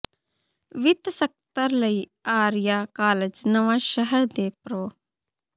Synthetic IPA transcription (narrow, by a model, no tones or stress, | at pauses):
ʋɪt̪sək̚t̪əɾləiː | aːɾɪjaːkaːləd͡ʒnəʋãːʃəɦəɾd̪eːpɾoː